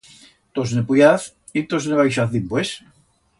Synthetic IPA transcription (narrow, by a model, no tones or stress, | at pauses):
t̪osnepujaθ | it̪ozneβajʃ̬aθðimpwes